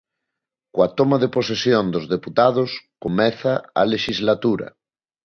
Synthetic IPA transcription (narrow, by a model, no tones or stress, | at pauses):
kwat̪omaðeposesjond̪ozðeput̪að̞oskomɛθaa̰leʃizlat̪uɾa̰